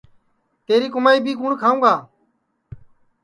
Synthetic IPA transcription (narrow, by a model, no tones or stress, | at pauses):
t̪eːɾiːkʊmaːiːbʱiːkũːɳkʰaːũːɡaː